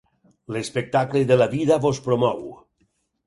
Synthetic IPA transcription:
lespek̚t̪akleðelaβiðaβospɾomɔw

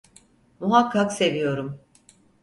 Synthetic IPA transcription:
muɦakʰːakse̞vijo̞ɾum

